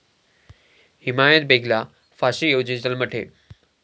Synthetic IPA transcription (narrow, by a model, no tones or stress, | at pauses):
himajət̪̚beɡʱla | faɕijod͡ʑid͡ʑəlməʈʰḛ